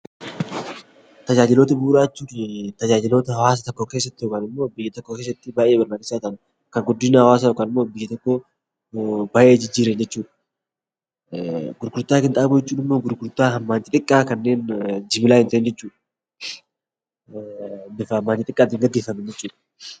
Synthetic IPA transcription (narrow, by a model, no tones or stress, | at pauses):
t̪ɐd͡ʒaːd͡ʒɪlo̞ːt̪ɐbuːɾaːt͡ʃːuːt̪ɐd͡ʒaːd͡ʒɪlo̞ːt̪ɐhɐwaːs̬ɐt̪ɔkːoːke̞ːs̬ːɐt̪ːɪjokaːnɪmːo̞ːbɪjːɐt̪ɔkːoːke̞ːsːɐt̪ːɪbaːʔeːbɐɾnaːkɪsːaːt̪ɐn | kɐŋɡʊd̪ːɪnahɐwaːs̬ajokaːnɪmːo̞ːbɪjːɐt̪ɔkːo̞ː | baʔe̞ːd͡ʒɪd͡ʒːiːɾend͡ʒɛt͡ʃːuːᶑɐ | ɡʊɾɡʊɾt̪ːaːkɪnt̪ʼaːbuːd͡ʒɛt͡ʃːuːnɪmːo̞ːɡʊɾɡʊɾt̪ːaːɦɐmːaːnt̪ɪt̪ʼɪkʼːaːkɐnːe̞ːnd͡ʒɪmɪlaːhɪnt̪ːnd͡ʒɛt͡ʃːuːᶑɐ̥ | bɪfɐɐmːaːnt̪ɪt̪ʼɪkʼːaːt̪ɪŋɡɐd̪ːeːfɐmɛnd͡ʒɛt͡ʃːuːᶑ